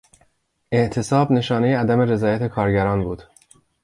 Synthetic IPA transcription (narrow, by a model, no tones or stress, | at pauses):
e̞ʔt̪ʰe̞sɒːbne̞ʃɒːne̞jeæd̪æme̞ɾe̞zɒːjæt̪ʰe̞kʰɒːɾɟæɾɒːnbuːd̪̥